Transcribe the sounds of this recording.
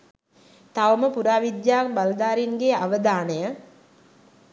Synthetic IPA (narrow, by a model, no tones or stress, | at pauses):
t̪aʋəməpuɾaːʋid̪jaːkbald̪aːɾinɡeaʋəd̪aːnəjə